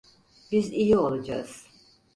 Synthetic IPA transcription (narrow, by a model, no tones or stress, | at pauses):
bizijio̞lˠad͡ʒa̰z̥